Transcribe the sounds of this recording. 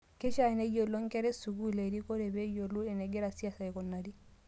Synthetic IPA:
kɛ˦ʃa˨ɛnɛ˦jɔ˨lɔ˦ŋkɛ˦ɾɛ˦su˨ɡu˦˨le˨ɾi˦kɔ˦ɾɛ˨bɛ˦jo˨lu˦ɛ˨nɛ˨ɡɛ˦ɾa˨si˦a˦sa˨ɛ˨kɔ˨nːa˨di˦

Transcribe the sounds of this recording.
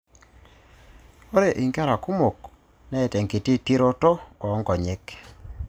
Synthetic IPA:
o˦ɾe˦˨ʔi˨ŋka˦ɾa˨ku˦mo˨k | nɛ˦e˨tɛ˨ŋki˨ti˦ti˦ɾo˦tɔ˦ɔː˨˦ŋɡɔ˨ɲe˦k

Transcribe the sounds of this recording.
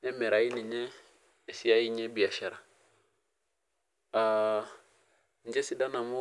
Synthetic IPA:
ɛ˦mɛ˨ɾa˨i˦ni˨ɲɛː˦˨ | si˦a˦i˦ɲɛ˦bi˨a˨ʃa˨ɾa˨ | a˨ | n̩˨d͡ʒɛ˦si˦da˦na˨mɔ˦

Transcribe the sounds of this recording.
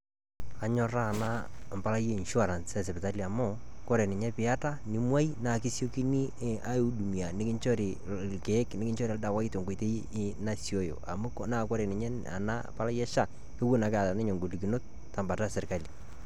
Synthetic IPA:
a˨ɲɔ˦ɾa˦˨na˦mpa˦la˦je˦i˨nʃu˦a˨ɾa˨nsɛ˦˨sɛ˨pɪ˨ta˦li˨a˨mɔ˦˨ | kɔ˦ɾe˨nɪ˨ɲɛ˦pɪ˨a˦ta˦ni˨˦mwa˦i˦na˨kɪ˦sjo˦ki˦ni˦a˦u˦du˨mi˨a˨nɪ˦kɪ˦ɲt͡ʃɔ˦ɾi˨ | lkeː˨˦knɪ˦kɪ˦ɲt͡ʃɔ˦ɾi˦a˨da˨wa˦i˦to˨ŋɡo˨te˦ | na˦sjo˦jo̰˨a̰˨mʊ˦naː˦˨kɔ˦ɾe˨nɪ˨ɲɛ˦ | a̰˨na̰˦pa˦la˦jɛ˦ʃa˨ | ke˦wu˦na˨ka˨ta˨nɪ˦ɲɔ˨ŋɡo˨li˨ki˨no˦t̚ | ta˨mba˨ta˦sɪ˨rka˦li˨

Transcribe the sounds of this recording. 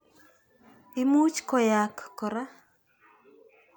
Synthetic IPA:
ɪ˦mu˦t͡ʃkɔ˨ja˨kːɔ˨ɾa˦

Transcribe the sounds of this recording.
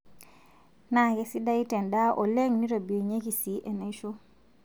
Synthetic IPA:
na˨ke˦si˦da˦i˦te˨nda˦ʔo˨le˦ŋni˦ɾo˨bi˨o˨ɲe˦ki˨si˦ʔe˨ne˨˦ʃo˦

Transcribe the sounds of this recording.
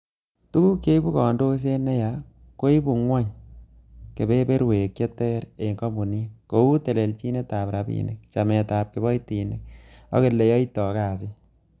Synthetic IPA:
tu˦ku˦ke˦bu˦kɔ˨ndo˦s̬e˦nɛ˦ja˨ | ko˦i˦bu˨ŋwɔ˦ɲ | ke˨be˦be˦ɾweː˨kje˦tɛ˦ɾe˨ŋkɔ˦mu˨ni˦ko˨u˦te˨le˨lt͡ʃi˦ne˦ta˨pɾa˨bḭne˨kt͡ʃa˨mɛ˨taː˨p̚ke˨bɔ˦jti˨nɪ˨k̚ɔ̰˦ke˨lːe˨jɔ˦i˦tɔ˨kaː˨s̬ɪ˦

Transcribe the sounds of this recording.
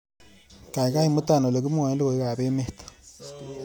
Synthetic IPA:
ka˨i˨ka˦i˦˨mu˦ta˨no˨le˨k̬u˦mu˦a˨e˦li˦ko˨i˦ka˨βe˦me˦tḁ˨

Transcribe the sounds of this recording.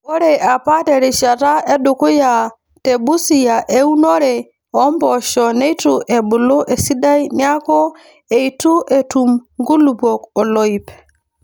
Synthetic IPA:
o˦ɾe˨a˨pa˦te˨ɾi˨ʃa˨ta˦e˦du˨ku˦ja˨ | te˨bu˦si˨ja˨ʔe˦u˦no˦ɾe˨ | ɔ˦mbɔ˨ʃɔ˨ne˦i˦tu˨ʔe˨bu˨lo˦ʔe˨si˦da˦jni˦a˦kɔ˦ | e˨i˨tu˦ʔe˨tu˨mŋɡu˦lu˨bo˨kɔ˨lo˦i˨p

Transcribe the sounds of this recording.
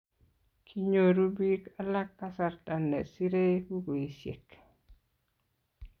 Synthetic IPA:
kʰi˦ɲo˨ɾu˦bi˦ka˦la˦kːa˦sa˨rta˨nːɛ̰˨si˦ɾe˦pu˦ɡo˨i˨sjḛ˨k

